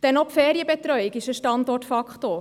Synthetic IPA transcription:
d̥ɛnɔpfɛːɾiəbɛt̪ɾœʏɪkɪʃəʃtɑndɔtfɑkχtoː

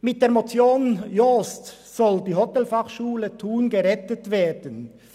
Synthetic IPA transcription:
mɪt̚d̥eːɐmot͡sjoːnjost | sɔldiːɦɔtɛlfɑχʃuːlətʰuːnɡəʁɛtətveːdən

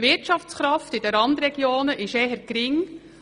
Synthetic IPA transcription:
ʋɪɾtt͡ʃɑft͡sχɾɑftɪd̥əɾɑnd̪ɾɛɡ̥joːnəʔɪʃɛːɦəɾkɾɪŋ

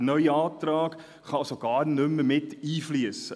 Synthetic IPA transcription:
nœʏəɑːtrɑːk | χɑsoɡɑːrnʏməmɪtiːfliəs

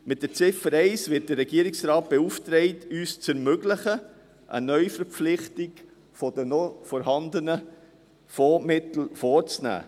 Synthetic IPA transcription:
mɪt̚d̥ət͡sɪfəɾɛɪsvɪːt̚d̥əɾːɛɡ̥iəɾɪksɾɑːt̚b̥ɛuftɾɛɪtyːst͡sɛɾmøɡlɪχə | ʔə̰nœʏfəɾpp͡flɪχtɪɡ | fɔd̥ənɔfɔɾɦɑndənə | fɔːmɪt̪l̩fɔːɾt͡snæ̰ː

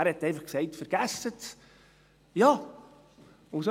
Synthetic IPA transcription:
æːɾhɛtːɛɪfɑχksɛɪtfəɾɡ̥æsət | jɑː | ʊso

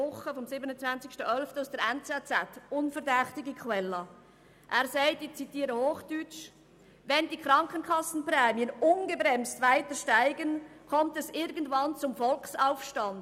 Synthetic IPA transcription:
ʊχəfɔmsɪbənət͡svant͡sɪkʃtəʔœlftəaʊsd̥əɾɛnt͡sɛt͡sɛtʊnfəɾdɛχtɪɡikʰwɛlːɑ | ʔæːɾsaɪtit͡sitiːɾəhoːχd̥yt͡ʃ | vɛndikɾɑŋkənkʰɑsn̩pɾɛːmiənʊnɡəbɾɛmstvaɪtəɾʃtaɪɡənkʰɔmtɛsɪɾɡən̩dvɑnt͡sʊmfɔlksaʊfʃtɑnd̥

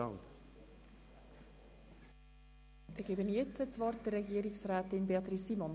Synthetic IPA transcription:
ɑlt | d̥̪eɡ̥ebənjɛt͡sət͡sʋɑrt̚dərːɛɡiːɾɪksɾæːt̪ɪnbeɑt̪ɾisimɔn

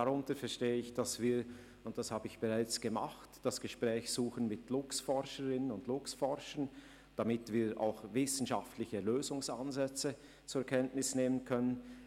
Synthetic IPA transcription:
d̥aʁʊntəɾfɛɐʃteːəɪçd̥asv̥iː | ʊnt̚d̥ashaːbəɪçb̥əʁaɪt͡sɡ̥əma̰χtd̥asɡ̥əʃpʁ̥ɛːçz̥uːxənmɪtlʊksfɔɾʃəʁɪnənʊndlʊksfɔʁʃən | d̥amɪtv̥iːʔa̰ʊxvɪsn̩ʃaftlɪçəløːzʊŋsanzɛt͡sə | t͡suːɾɛkʰɛntnɪsneːmənkʰœnən

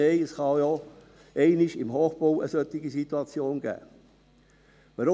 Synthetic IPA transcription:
eɪəsχɑjɔ | ɛɪnɪʃɪmɦoːχb̥owəsœt̪ːɪɡisit̪uɑt͡sjoːnɡ̥æ̰ː | ʋɑɾʊ

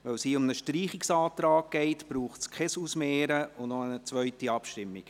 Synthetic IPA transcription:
ʋœwshiːʊmnəʃtɾiːχɪksɑːt̪ɾɑːɡɡ̥ɛɪtb̥ɾuːχtskχɛsusmeːɾəʊnɔənət͡sʋœʏtiɑpʃtɪmːik

